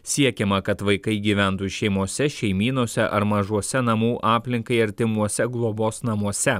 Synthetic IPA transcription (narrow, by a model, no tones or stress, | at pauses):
sʲiɛkʲɛmɐkɐt̪ʋɐɪkɐɪɡʲiːʋʲæˑnt̪uʃʲɛɪmuɔsʲɛʃʲɛɪmʲiːnuɔsʲɛʔɐɾmɐʒuɔsʲɛnɐmuːʔɑːpʲlʲɪŋkɐɪɐɾʲt̪ʲɪmuɔsʲɛɡlˠoːboːsnɐmuɔsʲɛ